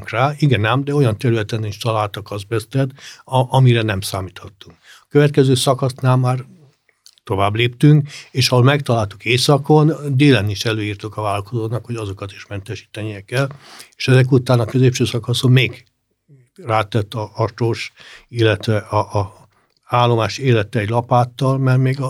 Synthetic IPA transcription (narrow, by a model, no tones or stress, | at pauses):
ŋkraːiɡɛnɛmd̪ɛo̞jɒnt̪ɛɾylɛt̪ɛniʃt̪ɒlaːlt̪ɒkɒzbɛst̪ɛt̪ɒmiɾɛnɛmsaːmit̪hɒt̪ːuŋk | ɒkøvɛt̪̚kɛzøːsɒkɒsnaːlmaːr | t̪o̞vaːbleːpt̪yŋkeːʃɒɦo̞lmɛkt̪ɒlaːlt̪ukeːsɒkond̪eːlɛniʃɛløːjiːrt̪okɒvaːlɒlkozoːnɒkhoɟɒzo̞kɒt̪i̥ʃmɛnt̪ɛʃi̥ːt̪ɛnijɛkɛleːʃɛzɛk̬ut̪aːnɒkøzeːpʃøːsɒkɒsomeːɡ | raːt̪ɛt̪ːɒɒʃoʃilːɛt̪ʋɛʔɒʔː | aːlːo̞maːʃeːlɛt̪ɛːɟlɒpaːt̪ːɒlmɛrmeːɡ